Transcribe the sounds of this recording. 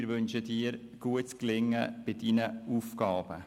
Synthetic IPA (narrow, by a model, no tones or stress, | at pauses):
ɾʋʏnʃədiːɾ | ɡ̥uətt͡sklɪŋːə̰b̥ɪdinəuːfkɑːb̥ə